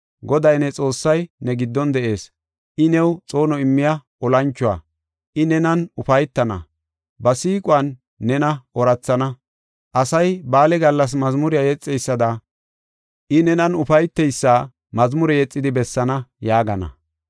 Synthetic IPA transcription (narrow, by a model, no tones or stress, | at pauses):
ɡɔd̪ɐjnɛt͡sʼo̞ːsːɐjnɛɡɪd̪ːɔnd̪ɛʔe̞ːs | ʔɪnɛwt͡sʼo̞ːnɔɪmːɪjaʔɔlɐnt͡ʃːʊwa̰ː | ʔɪnɛnɐnʊfɐjt̪ːɐnɐ̰ | bɐsiːkʼʊɐnː | ɛnɐʔɔɾɐt͡sːɐnɐ | ʔɐsɐjbaːlɛɡɐlːɐs̬mɐzmʊɾɪjajɛt͡sʼːɛjsːɐd̪ɐ | ʔɪnɛnɐnʊfɐjt̪ːɛjsːaː | mɐzmʊɾɛjɛt͡sʼːɪd̪ɪbɛsːɐnɐjaːɡɐnɐ̰